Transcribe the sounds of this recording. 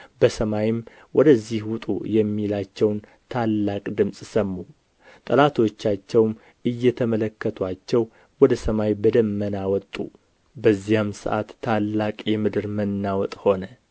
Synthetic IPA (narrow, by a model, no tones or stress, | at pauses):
bəsəmajɪm | wɔd̪əzːihwʊt̪ʼṵjɛmːilat͡ʃːɛwn | t̪ʰalːakʼd̪ɨmsʼsəmːu | t̪ʼəlat̪ʰo̞t͡ʃːat͡ʃːɛwm | ɨjːɛt̪ʰəmələkːət̪ʰwat͡ʃːɛw | wɔd̪əsəmajbəd̪əmːənawɔt̪ʼṵ | bəzːijamsɨ̰ʔa̰t̪ʰːalːakʼjɛmɨd̪ɨɾmənːawɔt̪ʼho̞nə